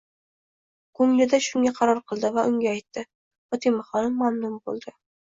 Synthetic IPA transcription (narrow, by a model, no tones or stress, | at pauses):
kʰɵŋlɪd̪aʃʊŋʲaqʰɑɾɒɾqʰɨlˠd̪ɪvaʔʊŋɡʲaːjt̪ːɪ | fɒt̪ʰimɪχɒnɪmːamnʊmbo̰lˠd̪ɪ